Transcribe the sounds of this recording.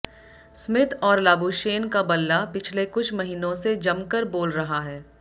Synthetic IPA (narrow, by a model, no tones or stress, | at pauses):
smɪt̪ʰɔːɾlaːbuːʃeːnkabɐlːapɪt͡ʃʰlekʊt͡ʃʰmɐɦiːnõsed͡ʒɐmkəɾboːlɾɐɦaɦɛː